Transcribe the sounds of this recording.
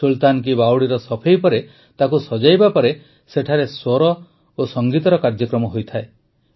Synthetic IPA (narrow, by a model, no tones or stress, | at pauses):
ult̪ank̬ibawɽiɾɔsɔpʰejpɔɾe | t̪akusɔd͡ʒajbapɔɾe | seʈʰaɾesɔɾɔ | osɔŋɡit̪ɔɾɔkaɾd͡ʒɔkɾɔmɔɦojt̪ʰae